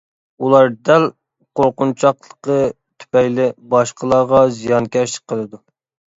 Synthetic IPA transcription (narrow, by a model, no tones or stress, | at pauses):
ulˠɑɾd̪ɛl | qoɾqʊnt͡ʃʰɑqlˠəqə | t̪ʰy̥pɛjlɪbɑʃqʰəlˠɑʁɑzijɑnkʲʰɛʃlɪ̥k̚ʲqʰəlˠɨd̪u